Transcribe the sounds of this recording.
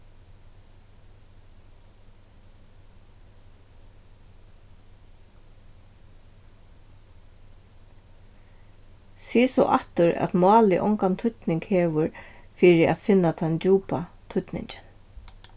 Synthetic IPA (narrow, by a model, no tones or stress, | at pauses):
siːsɔ̰ʔa̰ht̪ʊɾɛ̰t̪maːlɪʔɔ̰ŋkant̪ʰʊt̪nɪŋkhɛːʋʊɾfiːɾɪa̰t̪fɪnːat̪ʰant͡ɕuːpa | t̪ʰʊt̪nɪ̰ɲt͡ʃɪ̥n